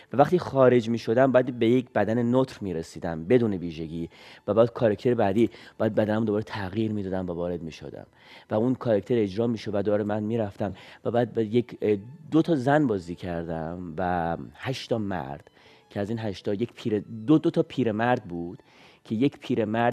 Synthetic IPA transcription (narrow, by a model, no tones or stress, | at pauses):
vævæχt̪ʰiːxɒːɾe̞d͡ʒmiːʃo̞d̪æmbɒæd̪bejecʰbæd̪ænenot̪ɾmiːɾesiːd̪æmbe̞d̪uːne̞viːʒe̞ɟiːvæbɒːd̪̥kʰɒːɾekʰt̪e̞ɾebæd̪iːbɒːjæd̪̚bæd̪ænæmund̪oɒːɾet̪ʰæɣiːɾmiːd̪ɒːd̪æmvævɒːɾe̞d̪̚miːʃo̰d̪æ̰m | væunkʰɒːɾekt̪ʰeɾe̞d͡ʒɾɒːmiːʃovæd̪oɒːɾemænmiːɾæft̪æmvæbæːd̪̚bjekʰd̪ot̪ʰɒːzænbɒːziːcʰæɾd̪æmvæhæʃt̪ɒːmæ̰ɾd̪̥ | cʰeæziːnɦæʃt̪ɒjecpʰiːɾed̪od̪ot̪ʰɒːpʰiːɾemæɾd̪̚buːd̪̥ | cʰe̞je̞cʰpʰiːɾe̞mæɾd